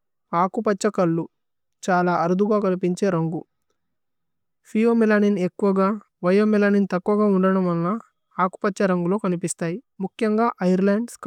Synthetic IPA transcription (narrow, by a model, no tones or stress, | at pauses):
aːkupɐt͡ʃːɐkɐɭːu | t͡ʃaːlaːɐɾud̪ʱuɡaːkɐnipiɲt͡ʃe̞ːɾɐŋɡu | pʰijoːmilaːninekːuʋɐɡaː | ʋɐjoːmilaːnint̪ɐkːuʋɐɡaːuɳɖɐɽɐmɐlːaː | aːku̥pɐt͡ʃːɐɾɐŋɡulo̞ːkɐnipist̪aːji | mukʰjɐŋɡaːʔɐjɐɾlaːɳɖsk